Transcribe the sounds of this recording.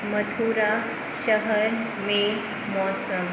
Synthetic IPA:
mət̪ʰuɾa | ɕəɦəɾ | me | mɔsəm

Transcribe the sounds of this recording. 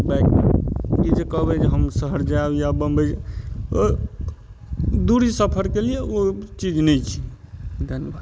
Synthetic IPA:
bakmḛid͡ʒekəɦbɛd͡ʒeɦəmsəɦəɾd͡ʒajabəmbəd͡ʒ | d̪uɾisəpʰəɾkelijeot͡ʃid͡ʒnɛjt͡ʃʰi̥ | d̪ʱənjəbad̪

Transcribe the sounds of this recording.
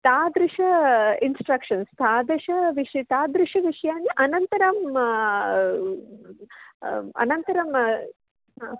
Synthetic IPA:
t̪aːd̪ɾɪʂɐinsʈɾɐkʂɐnst̪aːd̪ɾɪʂɐʋiʂit̪aːd̪ɾɪʂɐʋiʂɐjaːniʔɐnɐnt̪ɐɾɐm | ɐ̰nɐnt̪ɐɾɐm | ɦa

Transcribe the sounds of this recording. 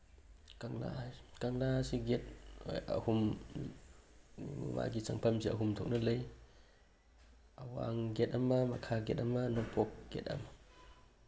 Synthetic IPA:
kaŋla̰kaŋlaasiɡɛt̪̚a̰hum | ma̰ɡit͡saŋpʰamsiʔa̰ɦumt̪ʰɔk̚nalej | ʔawa̰ŋɡɛt̚amamakʰaɡɛt̚amanɔŋpʰɔk̚ɡ̥ɛ̰t̚a̰ma

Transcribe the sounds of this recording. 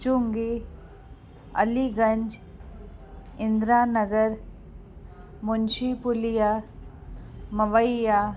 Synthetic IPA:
t͡ʃuŋɡi | ɐ̰liɡə̃ɲd͡ʒ | ɪ̃nd̪ɾaːnəɡəɾ | mʊnʃipʊlija | mɐʋəjja

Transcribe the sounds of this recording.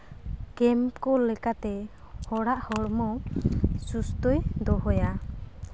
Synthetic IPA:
kɛmkɔlɛkat̪ɛ | hɔɽaʔhɔɽmɔ | sust̪ɔjd̪ɔɦɔja

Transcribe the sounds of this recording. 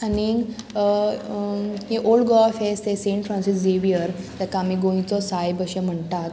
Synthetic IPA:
aniŋɡ | ɦeʔolɖɡɔfest̪esẽɳʈfɾãnsisd͡ʑeʋijəɾt̪akaamiɡõĩt͡sɔsajbəɕəm̤əɳt̪at̪

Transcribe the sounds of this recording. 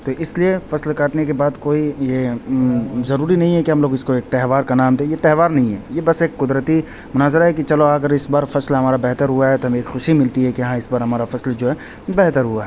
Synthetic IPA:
t̪oʔɪsliefɐslkaːʈnekebaːd̪koːije | zɐɾuːɾinɐɦĩɦɛkiɦɐmloːɡɪskoeːk̚t̪ɛɦʋaːɾkanaːmd̪ẽjet̪ɛɦʋaːɾnɐɦĩɦɛjebɐseːkːʊd̪ɾət̪i | mʊnaːzɾaɦɛkit͡ʃɐloɐɡəɾɪsbaːɾfɐslɦɐmaːɾabɛɦt̪əɾɦuaɦɛt̪oɦɐmeeːkxʊʃimɪlt̪iɦɛkijɐɦãɪsbaːɾɦɐmaːɾafɐsld͡ʒoːɦɛː | bɛɦt̪əɾɦuaɦɛ

